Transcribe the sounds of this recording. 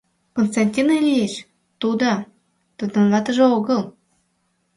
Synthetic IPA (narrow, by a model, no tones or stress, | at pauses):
konst̪anʲtʲinelʲijeʃ | t̪ud̪ɑ | t̪ɤ̆d̪ɤ̆nlɑt̪ɤ̆ʒɤ̆oɡɤlˠ